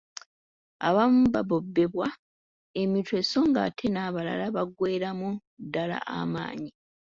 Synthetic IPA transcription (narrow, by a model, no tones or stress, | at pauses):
a̰βamuβaβo̞bːe̞βwa | e̞mitʰwe̞so̞ŋɡa̰tʰenaβala̰laβaɡwe̞ːɾamudːala̰ʔa̰ma̰ːɲi